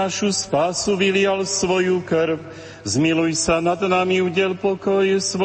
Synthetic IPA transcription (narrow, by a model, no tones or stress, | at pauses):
aʃuspaːsuʋilɪalsʋɔjukɾw | zmilujsanad̪namiuɟɛlpɔkɔjsʋ